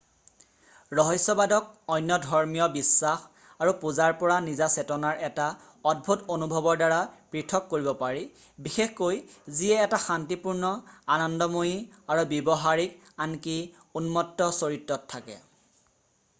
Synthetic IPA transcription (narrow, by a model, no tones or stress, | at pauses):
ɹɔɦɔsːɔbadɔk̚ɔjnjɔdʱɔɹmijɔbisːax | aɹupuzaɹpɔɹanizasɛtɔnaɹɛta | ɔd̚bʱutonubʱɔbɔɹdaɹapɹitʰɔkːoɹibɔpaɹi | bixexkojziɛːtaxantipuɹnɔanɔndɔmojiaɹubjɔbɔɦaɹik | anki | unmɔtːɔsoɹitɹɔtʰːakɛ̰